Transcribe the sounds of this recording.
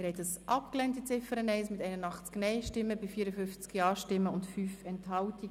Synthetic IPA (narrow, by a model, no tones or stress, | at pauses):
ɛɾhɛtəsʔɑpklɛntit͡sɪfəɾənɛɪsmɪtɛɪnənɑχt͡sknɛɪʃtɪmːəbɪfiːɾəfʏnft͡skjɑːʃtɪmːəʊntfyːfɛnthɑlti